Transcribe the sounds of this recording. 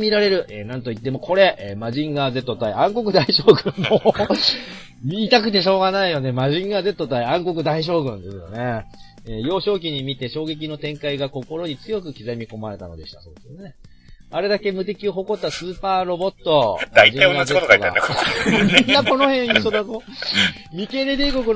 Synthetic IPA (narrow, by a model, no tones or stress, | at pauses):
mʲiɾaɾe̞ɾɯ̟ʔenãnt̪o̞it̪ːemo̞kʰo̞ɾe̞ʔmaʑĩŋɡaze̞t̪ːo̞t̪aiãŋko̞kɯ̟d̪aiɕoːɡɯ̟̃mːoː | mʲiːt̪akɯ̟t̪e̞ɕo̞ːɡanaijo̞ne̞maʑĩŋɡaze̞t̪ːo̞t̪aiãŋko̞k̬ɯ̟d̪aiɕ̬o̞ːɡɯ̟̃nd̪e̞sɨjo̞̰ne̞ | ejo̞ːɕo̞ːk̬ʲiɲ̟imʲit̪e̞ɕo̞ːɡe̞kʲino̞t̪ẽ̞ŋkaiɡako̞ko̞ɾo̞ɲ̟it͡sɨjo̞kɯ̟kʲizemʲiko̞maɾe̞t̪a̰no̞d̪e̞ɕi̥t̪aso̞ːd̪esɨne̞ | aɾe̞d̪ake̞mɯ̟t̪e̞kʲioɦo̞ko̞t̪ːasɨːpaːɾo̞bo̞t̪ːo̞md̪aiʑĩeɡazekot̪okaiɡ̪a̰akmomʲĩnːako̞no̞hẽɰ̃iɕɕod̪ako | mʲike̞ɾed̪eːko̞kɯ̟